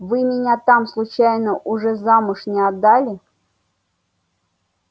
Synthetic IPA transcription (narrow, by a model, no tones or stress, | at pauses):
vɨmʲɪnʲat̪amslˠʊt͡ɕæjnəʔʊʐɛzamʊʂnʲɪad̪ːalʲɪ